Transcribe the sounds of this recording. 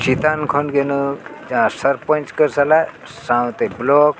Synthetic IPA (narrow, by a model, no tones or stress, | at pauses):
t͡ʃit̪ankʰɔnɡenud͡ʒããsəɾpə̃nt͡ʃkəɾsala | sãw̃t̪eblɔk